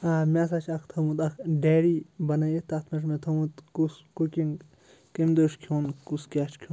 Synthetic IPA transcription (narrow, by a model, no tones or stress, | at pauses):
amʲaːs̬at͡ʃʰɐkʰt̪ʰɐmut̪ɐkʰɖeːɾibɐnɐjet̪ɐt̪ʰmɐʃ̬met̪ʰɐmut̪kuskukʲiŋɡ | kimd̪oːʃkʰoːnkuskʲaːʃkʰuːn